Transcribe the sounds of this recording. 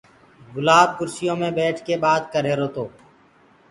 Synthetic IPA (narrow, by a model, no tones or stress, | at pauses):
ɡʊlaːb̚kʊɾsɪjõːmẽːɓeːʈʰkeːɓaːd̪kəɾeːɾoːt̪oː